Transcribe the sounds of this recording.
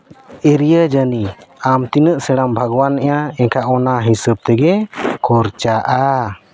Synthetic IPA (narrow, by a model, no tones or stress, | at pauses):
eɾijəd͡ʒəniamt̪inəʔsɛɽambʱaɡwanːɛʔaɛkaʔɔnaɦisəb̚t̪ɛɡɛkʰɔɾt͡ʃaʔa